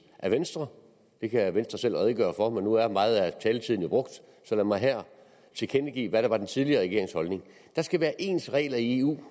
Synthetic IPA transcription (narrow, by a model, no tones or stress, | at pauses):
ʔæʋensd̥ʁɐ | d̥e̝kʰæʋensd̥ʁɐsel̰ʁɛð̞ˠɡ̥ɶ̰ːɐfɒ̽menuæɐmɑ̈ːð̞̩ˠæt͡sʰɛːlət͡sʰiðˠn̩jo̝b̥ʁɔ̽ɡ̥d̥ | sɒ̽læmɑ̈ɪɦæɐ̰ | t͡sʰe̝kʰenəɡ̥ḭːʋæɾ̥ɑ̈ʋɑ̈d̥ent͡sʰið̞ˠliɐːʁɛɡe̝ɐeŋshɒ̽lne̝ŋ | d̥ɑ̈sɡ̥æʋæːɐʔe̝̰ːnsʁɛ̰ːlɐie̝ṵː